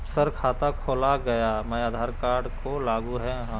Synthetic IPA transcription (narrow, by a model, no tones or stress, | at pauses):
səɾkʰaːt̪akʰoːlaɡɐjamɐjaːd̪ʱaːɾkaːɾɖkolaːɡuɦɛɦã